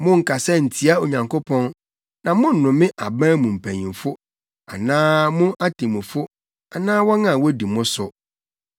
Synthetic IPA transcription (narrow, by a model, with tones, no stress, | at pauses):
mʊ̃˦ŋ̩˨kʰa˨sɛ˦n̩˨tʰi˦a˦o˨ɲã˨ŋkʰo˦pʰɔ̃˦n | nã˨mʊ̃˦n̩˦˨nʊ̃˨mɪ̃˦ʔa̰˨bãː˦mũ˨m̩˨pʰæ˨ɲĩ˨fʊ˦ | a̰˨nãː˦mʊ̃˦ʔa˦tʰĩ˨mʊ̃˨fʊ˦ | a˨nãː˦wɔ˦nã˨wɔ˦di˨mʊ̃˦sʊ˨